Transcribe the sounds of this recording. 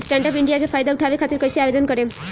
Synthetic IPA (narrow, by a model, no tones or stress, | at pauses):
sʈaɳɖɔpiɳɖijakefʰajd̪auʈʰabekʰat̪iɾkɔjsiabed̪ɔnkɔɾe